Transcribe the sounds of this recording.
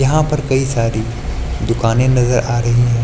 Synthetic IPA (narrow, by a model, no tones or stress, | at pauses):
jɐɦãpɐɾkɐisaːɾi | d̪ʊkaːnẽnɐzəɾʔaːɾɐɦiɦɛ̃ː